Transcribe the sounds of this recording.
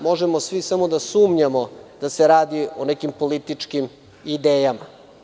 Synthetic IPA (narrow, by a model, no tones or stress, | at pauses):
mo̞ʒemosʋisamo̞d̪asuːmɲamo̞d̪̥aseɾaːd̪ionekimpolit̪it͡ʂkim | id̪eːjama